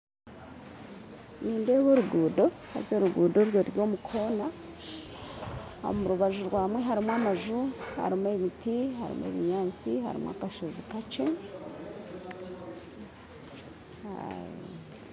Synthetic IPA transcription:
niːndeβoɾuɡuːdo̞ | ha̰oɾuɡuːdo̞ɾjoɾjo̞ːmukʰo̞na | o̰omuɾuβaʒuɾwaːmwe̞ɦaɾimwamaʒuha̰ɾimwe̞ːβitihaɾḭmwḛːβiɲaːt͡siha̰ɾḭmwa̰kaʃozikat͡ʃe̞ | a̰je

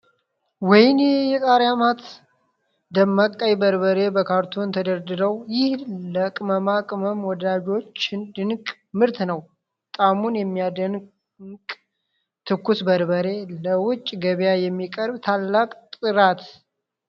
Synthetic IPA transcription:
wɔjnjɛt̪ʼaɾjamat̪ | d̪əmːakʼːəjbəɾbəɾe̞bəkʰaɾt̪ʰunt̪ʰəd̪əɾd̪ɨɾəwjɪhləkʼməmakʼməmwɔd̪ad͡ʒo̞t͡ʃːɪnd̪ɨnkʼ | mɨɾt̪nəw | t̪ʼamunjɛmːijad̪ən | kʼ | t̪ʰɨkːusbəɾbəɾe̞ləwʊt͡ʃʼːɡəβjajɛmːikʼəɾbt̪ʰalːakʼt̪ʼɨɾat̪

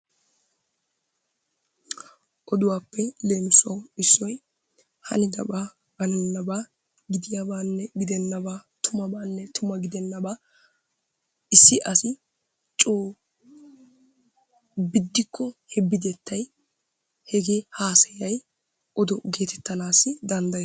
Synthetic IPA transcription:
ʔɔd̪ʊwaːpːɛle̞ːmɪsʊwɐwɪsːɔj | hɐ̰nɪd̪ɐ̰ba | bɐnɛnːɐba | ɡɪd̪ɪjaːbaːnːɛɡɪd̪ɛnːɐbaːt̪ʰʊmɐbaːnːɛt̪ʊmɐɡɪd̪ɛnːɐbaː | ɪsːɪʔɐsɪ | t͡ʃʼoː | bɪd̪ːɪkʰːɔhɛbːɪd̪ɛt̪ːɐj | hɛɡeːhaːsɛjɐj | ʔɔd̪ɔɡe̞ːt̪ɛt̪ːɐnaːsːɪd̪ɐnd̪ɐjɛ

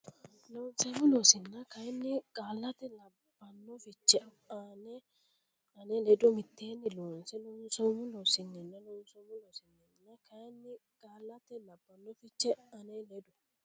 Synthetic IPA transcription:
loːnsɛmʊlosɪnːɐkɐjnːɪkʼaːlːɐt̪ɛlɐ | b̥ːɐnːɔfɪt͡ʃːɛ | anɛ | ɐnɛlɛd̪ʊmɪt̪ːeːnːɪloːnsɛlɔnsɔmʊlɔsɪnːɪnːɐlɔnsɔmʊlɔsɪnːɛnːɐkɐjnːɪkʼaːlːɐt̪ɛlɐbːɐnːɔfɪt͡ʃːɛɐnɛlɛd̪ʊ

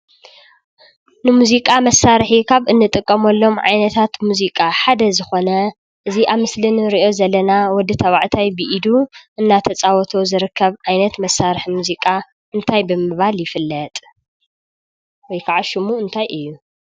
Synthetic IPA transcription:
nɨmuzikʼamɐsːaɾħikʰaβʔɨnːɨt̪ʼɨkʼːɐmɐlːo̞mʕa̰jnɐt̪ʰat̪muzikʼaħad̪ɐzɨxo̞nɐ | ʔɨziʔaβmɨslinɾiʔo̞zɐlːɐnawɔd̪ːɨt̪ʰɐβa̰ʕt̪ʰajbiʔid̪uʔɨnːat̪ʰɐt͡sʼawɔt̪ʰo̞zɨɾɨkʰːɐβʕajnɐt̪mɐsːaɾħimuzikʼa | ʔɨnt̪ʰajbɨmɨβaljɪfɨlːɐt̪ʼ | wɔjkʰaʕaʃɪmuɨnt̪ʰajʔɨjːu

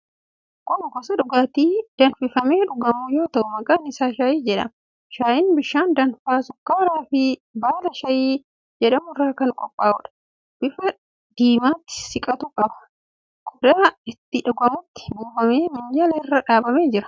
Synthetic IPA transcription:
kʼʊnɡɔsɐᶑʊɡaːt̪iːd̪̥ɐnfɪfɐmeːᶑʊɡɐmuːjo̞ːt̪ɐʔʊmɐkʼaːnɪsaːʃaːjiːd͡ʒɛᶑɐ̰m | ʃaːjɪnbɪʃːaːnd̪ɐnfaːsʊkːaːɾaːfɪbaːlɐʃɐjiː | d͡ʒɛᶑɐmʊɪrːaːkɐŋkʼɔpʼːaːʊᶑɐ̥ | b̥ɪfɐ | d̪̥iːmaːt̪ːɪ̥sɪkʼɐt̪uːkʼɐbɐ̥ | kʊd̪aːɪt̪ːɪᶑɐɡɐmʊt̪ːɪ̥buːfɐmeːmɪnd͡ʒɐlɛɪrːɐᶑaːbɐme̞ːd͡ʒɪɾɐ̥

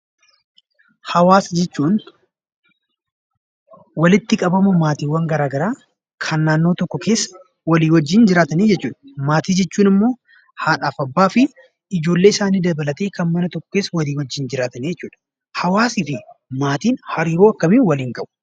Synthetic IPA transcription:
hɐwaːsd͡ʒɛt͡ʃːuːn | wɐlɪt̪ːɪkʼɐbɐmʊmaːt̪iːwːɐŋɡɐɾaːɡɐɾaː | kʰɐnːaːnːoːt̪ɔkːɔkʰe̞ːsː | wɐliːwɐd͡ʒːɪnd͡ʒɪɾaːt̪ɐneːd͡ʒɛt͡ʃːuːᶑɐ̥maːt̪iːd͡ʒɛt͡ʃːuːnɪmːo̞ː | haːᶑaːfɐbːaːfɪ | ɪd͡ʒo̞ːlːe̞ːɪsaːniːd̪ɐbɐlɐt̪eːkɐnmɐnɐt̪ɔkːɔ̥ke̞ːsːɐwɐliːwɐd͡ʒːɪnd͡ʒɪɾaːt̪ɐnid͡ʒɛt͡ʃːuːᶑɐ̥ | hɐwaːsɪfɪmaːt̪iːnhɐɾiːɾoːɐkːɐminwɐliːŋkʼɐbʊ̥

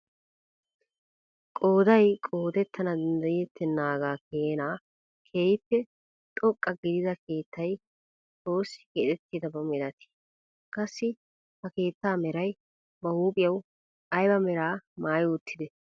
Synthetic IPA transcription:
kʼo̞ːd̪ɐjkʼo̞ːd̪ɛt̪ːɐnɐd̪ɐnd̪ɐjɪjɛt̪ʰːɛnːaːɡaːkʰeːnaː | kʰeːjɪpːɛ | t̪ʼɔkʼːɐɡɪd̪ɪd̪ɐke̞ːt̪ʰːɐj | t͡sʼoːsːɪ̥ɡeːt̪ʼɛt̪ːid̪ɐbɐmɛlɐt̪ɪ̥ | kʼɐsːɪ | hɐke̞ːt̪ːaːmɛɾɐj | bɐhuːpʼɪjɐw | ɐjbɐmɛɾaːmaːjʊt̪ːɪd̪ɛ

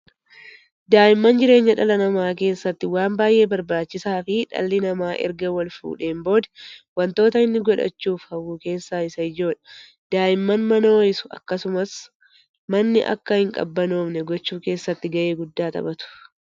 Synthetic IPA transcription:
d̪aːʔɪmːɐnd͡ʒɪɾe̞ːɲːɐᶑɐlɐnɐmaːke̞ːsːɐt̪ːɪwaːmbaːjʔe̞ːbɐɾbaːt͡ʃːɪsaːfɪᶑɐ̰lːɪnɐmaːʔɛ̰ɾɡɐwɐlfṵːᶑe̞ːmbo̞ːd̪ɐ̥wɐnt̪o̞ːt̪ɐɪnːɪɡɔᶑɐ̰t͡ʃːuːfhɐwːuːke̞ːsːaːɪsɐɪd͡ʒo̞ːᶑɐ̥ | d̪̥aːʔɪmːɐnmɐnoːɪsʊ̥ɐ̰kːɐsʊmɐs | mɐnːɪ̰ʔɐ̰kːɐhɪŋkʼɐ̰bːɐno̞ːbnɛɡɔt͡ʃːuːke̞ːsːɐt̪ːɪɡɐʔe̞ːɡʊd̪ːaːt̪ɐ̰bɐt̪ʊ̥

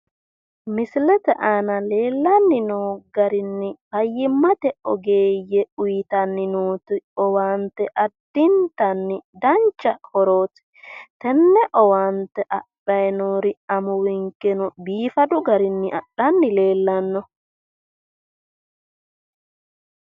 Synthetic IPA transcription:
mɪslɛt̪ɛʔaːnɐle̞ːlːɐnːɪnuːɡɐɾɪnːɪhɐjːɪmːɐt̪ɛɔɡe̞ːjːɛʊjɪt̪ɐnːɪnuːt̪ɪɔwaːnt̪ɛʔɐd̪̥ɪnt̪ɐnːɪd̪ɐnt͡ʃːɐkʰɔɾoːt̪ | t̪ɛnːɛʔɔwaːnt̪ɛʔɐɗɐjnoːɾɪɐmʊwɪŋkːɛnʊbiːfɐd̪ʊɡɐɾɪnːɪʔɐ̰ɗɐnːɪle̞ːlːɐnːɔ

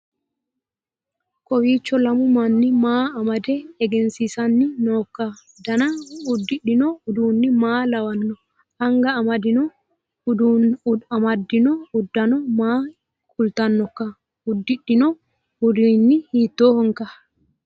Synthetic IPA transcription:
kɔwit͡ʃːɔlamumanːimaːamadɛɛɡɛnsisanːinɔkːa | danaudːiɗːinɔuduːnːimaːlawanːɔ | aŋɡaːmadinɔ | amadːinɔudːanɔmaː | kʰʼult̪anːɔka | udːiɗːinɔ | udinːihiːt̪ːɔhɔŋka

